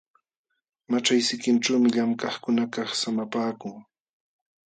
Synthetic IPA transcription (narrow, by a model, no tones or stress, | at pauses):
maʈ͡ʂajsɪkɪnʈ͡ʂawmɪʎamkɑχkʊnakɑχsamapaːkʊŋ